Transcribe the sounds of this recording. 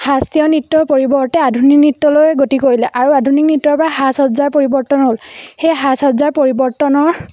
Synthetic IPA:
hastijɔnitːɔɹpoɹibɔɹtɛadʱunik̚nitːɔlojɛɡotikoɹilɛʔaɹuadʱuniknitːɔɹpɔɹaxasɔzaɹpoɹibɔɹtɔnɦolxejɦasɔzaɹpoɹibɔɹtɔnɔɹ

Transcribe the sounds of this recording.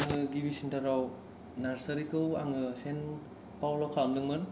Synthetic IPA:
aŋɯɡibisintaɾaw | naɾsɐɾikɯwa̰ŋɯsen | pawlɔwkʰamdɯŋmɯn

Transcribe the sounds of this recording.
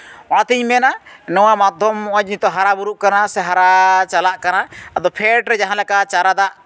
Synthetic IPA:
wãt̪iɲmɛnanɔwamad̪ʱɔmːɔʔɔ̃d͡ʒnit̪ɔɦaɾabuɾuʔkanasɛɦaɾat͡ʃalaʔkanaad̪ɔpʰɛʈɾɛd͡ʒaɦãlɛkat͡ʃaɾad̪aʔ

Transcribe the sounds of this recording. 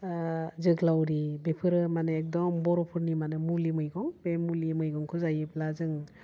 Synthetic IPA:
zɯɡlawɾibepʰɯɾɯmanɯek̚dɔmbɔɾɔpʰɯɾnimanɯmulimɯjɡɔŋbemulimɯjɡɔŋkʰuzajɯplazɯŋ

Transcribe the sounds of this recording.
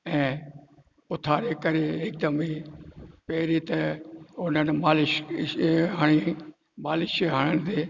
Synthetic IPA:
ɛ̃ː | ʊt̪ʰaːɾekɐɾeɪk̚d̪əmiːpɛːɾit̪ɐʊn̤ənmaːlɪʃ | ɦaːɽ̃i | maːlɪʃeɦaːɽ̃ənd̪eː

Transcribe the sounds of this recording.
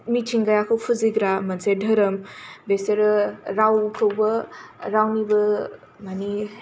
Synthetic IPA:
mitʰiŋɡajakʰowpʰuziɡɾamɐnsedʱɐɾɐmbeseɾɾawkʰɐwbɐɾawnibɐ | mani

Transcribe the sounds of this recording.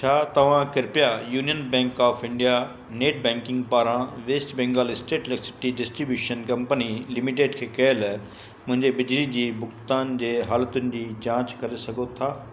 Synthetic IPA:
t͡ɕʰaːt̪ɐʋ̤ãkɪɾpjajuːnijənbɛ̃ːŋkaːfʰɪ̃ɳɖija | neːʈ̚bɛ̃ːŋkɪ̃ŋɡpaːɾãʋeːsʈbɛ̃ːŋɡaːlɪsʈeːʈlɛksɪ̥pʈiɖɪsʈɾibjuːʃənkɐ̃mpənilɪmiʈ̬eːɖkʰeːkɐɪl | mʊ̃ɦɪ̃ɲd͡ʑebɪd͡ʑlid͡ʑiːbʊkt̪aːnd͡ʑeːɦaːlət̪ʊnɪ̆d͡ʑiːd͡ʑãːt͡ɕkɐɾesɐɡʱot̪ʰaː

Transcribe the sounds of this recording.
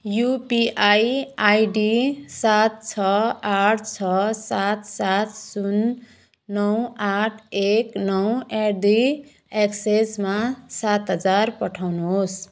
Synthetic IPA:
jupiʔajajɖisat̪̚t͡sʰʌaʈʰt͡sʰʌsat̪sat̪sunː | ʌwaʈʰeknʌwedi | eksesmasat̪ɦʌd͡zarpʌʈʰawnuɦos

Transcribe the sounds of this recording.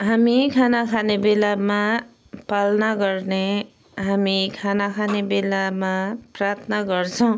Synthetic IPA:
ɦamikʰanakʰanebelama | palnaɡʌrne | ɦamikʰanakʰanebelamaprat̪ʰnaɡʌrt͡sʰʌw̃

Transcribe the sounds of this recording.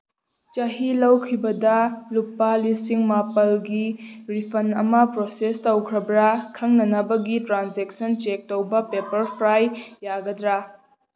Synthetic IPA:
t͡ʃɐɦilɐwkʰibɐdɐlupːalisiŋmapɐlɡiɾipʰɐnɐmɐpɾosestɐwkʰɾɐbɾɐkʰɐŋnɐnɐbɐɡitɾanzek̚sɐnt͡ʃek̚towbɐpepɐɾpʰɾajːaɡɐdɾa

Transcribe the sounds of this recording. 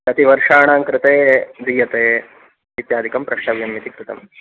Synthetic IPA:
ɐt̪iʋɐɾʂaːɳaːŋkɾɪt̪eːd̪iːjɐt̪eː | ʋit̪jaːd̪ʱikɐmpɾɐʂʈɐʋjɐmjit̪ikɾɪt̪ɐ̰m

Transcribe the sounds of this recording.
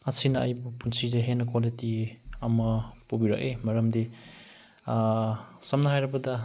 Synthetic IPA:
ɐsinɐɐ̰jbupunsideɦenɐkwalitiɐmɐpobiɾɐ̰kemɐɾɐmdi | sɐmnɐhajɾɐbɐdɐ

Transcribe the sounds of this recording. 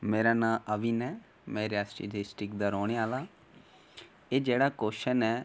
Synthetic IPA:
meːɾaːnãːʔəʋiːnɛː | mɛ̃ːɾɪjaːsʈḭːʈ̪esʈɪkd̪aːɾɔːɽ̃eaːlaː | eːd͡ʒeːɽaːkoːʃənɛː

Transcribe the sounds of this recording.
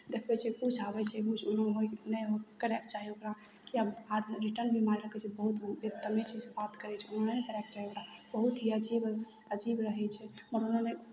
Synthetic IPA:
d̪ekʰbɛt͡ʃʰɛput͡ʃʰabɛt͡ʃʰɛɦut͡ʃʰonoɦojnɛɦokəɾɛkt͡ʃaɦiokɾakiəbaɾɾiʈəɾnbimaɾiɾəkʰɛt͡ʃʰɛbəɦut̪bet̪ːəmet͡ʃid͡ʒbat̪kəɾɛt͡ʃʰɛonɦənenɛkəɾɛk̚t͡ʃaɦiokɾabəɦut̪ɦiəd͡ʒibəd͡ʒibɾəɦɛt͡ʃʰɛməɾonɦone

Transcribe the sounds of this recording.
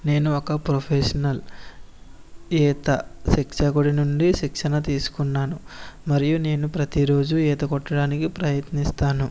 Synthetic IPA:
ne̞ːnuɔkɐpɾopʰeʂɐnɐl | ɛːt̪ɐʃikʂɐɡuɽinuɳɖiʃikʂɐnɐt̪iːsu̥kunːaːnumɐɾijune̞ːnupɾɐt̪iɾo̞ːd͡ʒuɛːt̪ɐkɔʈːɐɽaːnikipɾɐjɐt̪nist̪aːnu

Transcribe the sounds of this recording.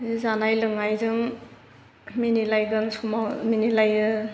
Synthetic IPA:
zanajlɯŋajzɯŋ | minilajɡɯnsʰumaminilajɯ

